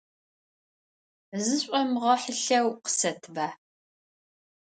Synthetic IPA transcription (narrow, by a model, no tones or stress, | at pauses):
zɨɕʷʼɔmʁɐħəɬɐwqə̥sɐtʰbaː